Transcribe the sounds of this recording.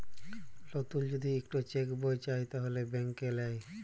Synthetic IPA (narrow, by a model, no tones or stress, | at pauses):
lɔt̪uld͡ʑod̪ʱiekʈot͡ɕekbojt͡ɕajt̪aɦolebɛŋkelɛj